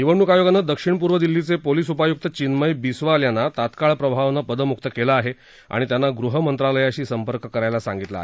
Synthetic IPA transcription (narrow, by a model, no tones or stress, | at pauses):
iʋəɳːukajoɡanːəd̪əkʂiɳp̬uɾʋəd̪ilːit͡sepoliːsupajuk̚t̪ət͡ɕinməjbisʋaljanːat̪at̪kaɭpɾəbʱaʋnəpəd̪əmuk̚t̪əkelaːɦe | a̰ɽ̃it̪janːaɡɾuɦəmənt̪ɾaləjaɕiːsəmpəɾkəkəɾajlasãŋɡit̪la̰ɦe